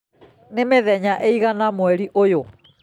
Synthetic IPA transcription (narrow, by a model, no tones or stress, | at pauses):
nemeðɛɲaʔeiɣanamwɛɾiʔojo